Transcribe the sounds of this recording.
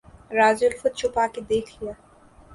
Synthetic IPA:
ɾaːzʊlfʊd̪̚t͡ʃʰʊpaːked̪eːkʰlijaː

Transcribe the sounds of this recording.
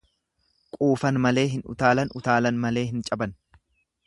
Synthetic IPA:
kʼuːfɐnmɐle̞ːɦɪnʊ̰t̪aːlɐnʊt̪aːlɐnmɐle̞ːɦɪnt͡ʃʼɐbɐn

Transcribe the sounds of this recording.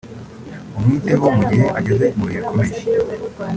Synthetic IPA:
omwiːteβomuɟiheʔaɟe̞ze̞muβiɾekʰomeʃi

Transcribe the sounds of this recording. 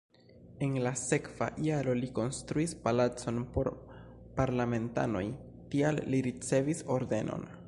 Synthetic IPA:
e̞nlase̞kv̥a̰ʔiaɾo̞liko̞nstɾuispalat͡so̞npo̞ɾ | paɾlame̞nta̰no̞̰j | tialːiɾit͡se̞viso̞ɾde̞no̞̰n

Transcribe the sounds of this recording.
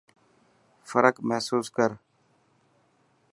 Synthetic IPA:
fəɾəkmɛɦsuːskəɾ

